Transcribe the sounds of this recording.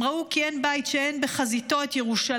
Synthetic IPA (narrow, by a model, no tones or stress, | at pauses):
ʁaukienbaitʃeenbeχazit̪o̞et̪jeʁuʃa